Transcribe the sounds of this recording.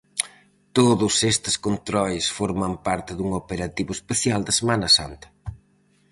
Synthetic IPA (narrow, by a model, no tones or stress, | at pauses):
t̪oðʊsest̪ɪ̥skont̪ɾɔjsfoɾmɐmpaɾt̪ɪðuŋopeɾat̪iβʊespeθjald̪ɐsemanɐsa̰nt̪ɐ̥